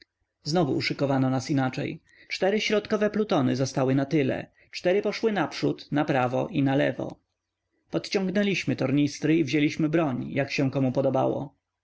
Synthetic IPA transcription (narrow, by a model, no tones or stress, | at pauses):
znɔvṵːʂɘkɔvanɔnasinat͡ʂɛ̰j | t͡ʂt̪ɛɾɘɕɾɔt̪kɔvɛplut̪ɔnɘzɔst̪awɘnat̪ɘlɛ̰ | t͡ʂt̪ɛɾɘpɔʂwɘnapʂut̪napɾavɔ̰ʔinalɛvɔ̰ | pɔt̪t͡ɕɔ̃ŋɡnɛlʲiɕmɘt̪ɔɾɲist̪ɾɘivʑelʲiɕmɘbɾɔɲjakɕɛ̃kɔmupɔd̪ɔba̰wɔ̰